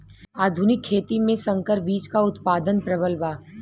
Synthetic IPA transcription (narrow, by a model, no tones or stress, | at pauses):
aːd̪ʱʊnɪkʰːeːt̪imẽsɐ̃ŋkəɾbiːt͡ʃkaʊt̪paːd̪ənpɾɐbəlʋaː